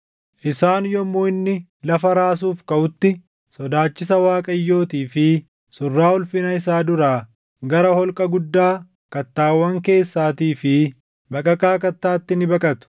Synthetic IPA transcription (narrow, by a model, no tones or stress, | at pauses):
ʔɪsaːnjɔmːuːɪnːɪ | lɐfɐɾaːs̬uːfkɐʔʊt̪ːɪ | sɔd̪aːt͡ʃːɪs̬ɐwaːkʼɐjːo̞ːt̪iːfɪ | sʊrːaːɔlfɪnɐɪs̬aːd̪ʊɾaː | ɡɐɾɐhɔlkʼɐɡʊd̪ːaː | kɐt̪ːaːwːɐŋke̞ːsːaːt̪iːfɪ | bɐkʼɐkʼaːkɐt̪ːaːt̪ːɪnɪbɐkʼɐt̪ʊ̥